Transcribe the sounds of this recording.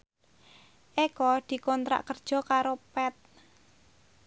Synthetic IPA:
ʔekɔd̪̥i̤kɔnt̪ɾa̰ʔkərd̥ʒ̥ɔ̤kaɾopɛt̪̚

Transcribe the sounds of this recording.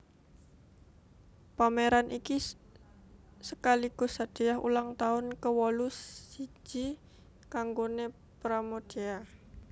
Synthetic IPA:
pameɾanʔiki | səkaliɡ̥ʊ̤sad̪̥e̤jaɦṵlaŋt̪aʊnkəwɔlusi̥ʒ̥i | kaŋɡone | pɾamod̥ea

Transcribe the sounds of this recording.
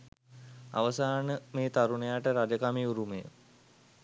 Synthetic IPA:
a̰ʋəsaːnəmeːt̪aɾunejaʈəɾad͡ʒəkamiuɾumejə̰

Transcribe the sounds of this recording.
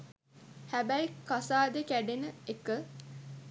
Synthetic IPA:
hæbæjkasaːd̪ekæɖenəekə

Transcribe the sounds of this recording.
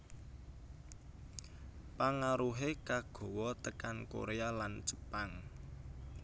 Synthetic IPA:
paŋaɾuɦekaɡ̥ɔ̤wɔt̪əkanko̰ɾealant͡ʃə̥paŋ

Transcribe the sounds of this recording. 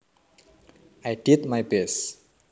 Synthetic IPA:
ajɖitmajbes

